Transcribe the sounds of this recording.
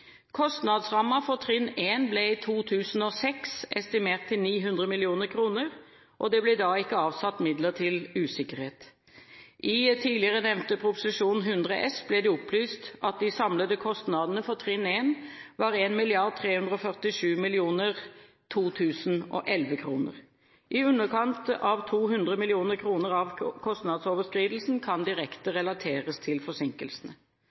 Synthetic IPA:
kʰɔst̪nɑd̪sʁɑmːɑfɔʁt̪ʰʁɪneːnblɛiːt̪ʰuːt̪ʰʉːsn̩ɔsɛksɛst̪ɪmeːʁt̪ʰːɪlniːɦʉnd̪ʁəmɪlɪuːnəʁkʰʁuːnəʁ | ʔɔd̪ɛblɛd̪ɑːɪkːəɑːʋsɑt̪ːmɪd̪ləʁt̪ʰɪlʉːsɪkəʁheːt̪ | ʔɪt̪ʰiːlɪəʁənɛʋnt̪əpʰɾʁʊpʊsɪʂuːnɦʉnd̪ʁəʔɛsblɛd̪ɛʊplyːst̪ʔɑt̪̚d̪ɪsɑmləd̪əkʰɔst̪nɑd̪ənəfɔʁt̪ʰʁɪneːnʋɑːʁeːnmɪlɪɑʁd̪̚t̪ʰʁeːhʉnd̪ʁəɔfœʁt̪ɪʂʉːmɪlɪuːnəʁ | t̪ʰuːt̪ʰʉːsn̩ʔɔ̰ʔɛlʋəkʰʁuːnə̰ʁ | ʔɪʉnːəkʰɑnt̪ɑʋt̪ʰuːɦʉnd̪ʁəmɪlɪuːnəʁkʰʁuːnəʁɑʋkʰɔst̪nɑd̪soːʋəskɾiːd̪əl̩sn̩kʰɑnd̪ɪʁɛkt̪əʁɛlɑt̪ʰeːʁəst̪ʰɪlfɔsɪŋkəlsən̩ə

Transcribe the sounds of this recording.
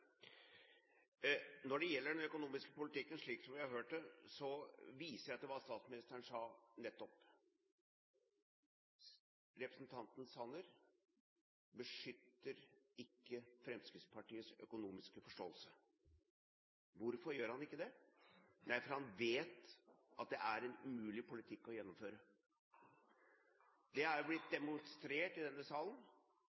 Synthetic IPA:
nɔɖɛjɛlːəɖɛnœkʊnuːmɪskəpʊlɪt̪ɪkːənʂɭiːksɔmʋɪhɑɾhøːʈ̚ɖəsɔʋiːsəɾæɪɑt̪̚d̪ɛʋɑːst̪ɑːt̪smɪnɪst̪əɳʂɑːnɛt̪ːɔp | ɾɛpɾəsnt̪ʰɑnt̪n̩sɑnəɾ | bəʂʏt̪ːəɾɪkːəfɾɛmskɾɪt̪spʰɑʈiːəsœ̰kʊnuːmɪskəfɔʂʈoːəlsə | ʋʊɾfɔɾjøːɾhɑnɪkːəd̪ɛ | næɪfɔɾhɑnʋeːt̪ʔɑt̪̚d̪ɛʔæɾɛnʉmʉːlɪpʰʊlɪt̪ʰɪkːɔjɛnːɔmføːɾə | d̪ɛæɾblɪt̪̚d̪ɛmʊnst̪ɾeːʈɪd̪ɛnːəsɑːlən

